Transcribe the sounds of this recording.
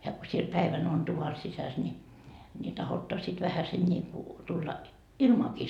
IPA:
jɑ ko siel pæiʋæn on tuʋɑ sisæs nʲi ni tɑhotːɑ sit ʋæhæsen nʲiːku tulːɑ ilmɑːki

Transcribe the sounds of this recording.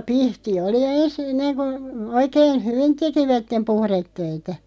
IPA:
pihti oli ens enːeŋ ku oikeːn hyʋin tekiʋætːem puhretːøitæ

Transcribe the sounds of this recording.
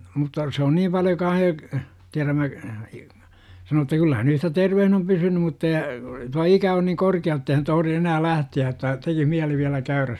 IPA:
mutːɑ se on niːm pɑljo kɑːh jo tiæræmːæ sɑno etːæ kylːæ hæn yhtæ terʋehn om pysynym mutːɑ jɑ tuɑ ikæ on niŋ korkiɑ jotːei hæn tohə̆ri enæː læhtiæ etːæ tekih miæli ʋiælæ kæyræs

